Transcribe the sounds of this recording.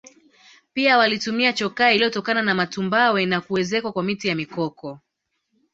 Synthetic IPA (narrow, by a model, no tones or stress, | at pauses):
piawalitumiat͡ʃɔkailijɔtɔkananamatumbawɛnakuɛzɛkwakwamitijamikɔkɔ